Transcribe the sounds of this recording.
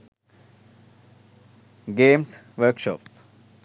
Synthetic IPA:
ɡeːms | ʋəɾkʃɔ̰p

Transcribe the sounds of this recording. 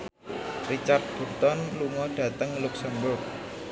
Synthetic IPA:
rit͡ʃart̪̚b̥urt̪ɔnluŋɔhɖ̥ä̤t̪əŋluksɛmbʊrk̚

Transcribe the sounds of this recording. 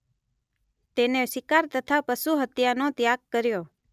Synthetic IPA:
t̪eneʃɪkaɾt̪ət̪ʰapəʃuɦət̪janot̪jaɡ̚kəɾjo

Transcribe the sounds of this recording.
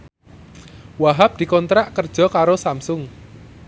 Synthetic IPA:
waɦap̚d̪̥i̤kɔnt̪ɾaʔkərd̥ʒ̥ɔ̤kaɾosamsʊŋ

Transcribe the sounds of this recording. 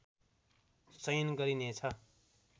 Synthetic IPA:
sʌjnɡʌɾinet͡sʰʌ

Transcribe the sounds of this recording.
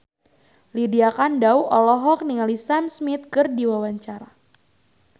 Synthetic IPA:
lidiakandawɔlɔɦɔk̚niŋalisamsmit̪̚kɨrdiwawaɲt͡ʃaɾa

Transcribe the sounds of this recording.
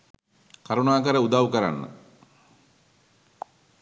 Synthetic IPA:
kaɾunaːkəɾəud̪aʋukəɾa̰nːə̰

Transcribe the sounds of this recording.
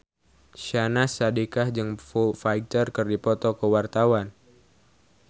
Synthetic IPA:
ʃanasadikahd͡ʒɨŋfufajt̪ərkɨrdipɔt̪ɔkəwart̪awan

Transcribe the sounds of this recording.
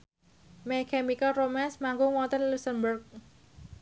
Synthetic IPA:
mɛkɛmikaromɛnsmaŋɡʊŋwɔt̪ənlusənbərk̚

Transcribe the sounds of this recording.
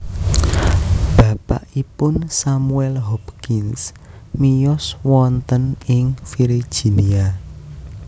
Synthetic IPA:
b̥ä̤pa̰ʔipʊnsamuɛlɦɔpkɪns | mijɔswɔnt̪ənɪŋfiɾi̥ʒ̥i̤nia

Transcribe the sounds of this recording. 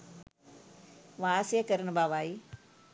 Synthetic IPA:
ʋaːsjekəɾənbaːʋaːi

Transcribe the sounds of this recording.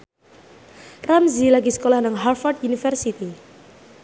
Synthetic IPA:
ramzilaɡisə̥kolahnaŋɦarfard̪unifɛrsit̪i

